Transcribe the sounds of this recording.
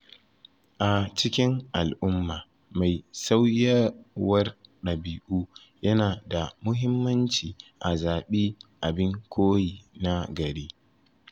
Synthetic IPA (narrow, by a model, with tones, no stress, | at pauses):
ʔa˨t͡ʃɪ˦kʲɪ˦ŋʔa˨lʔʊ˦mːaː˨ | ma˨jsa˦wjɐ˦wɐ˦rɗɐ˨biː˨ʔuː˦ | jɐ˦naː˨da˨mʊ˦ɦɪ˦mːɐ˦nt͡ʃiː˨ʔa˨zaː˨ɓiː˦ʔa˨bɪ˦ŋkʷʰoː˦jiː˨na˦ɡɐ˨ɽeː˦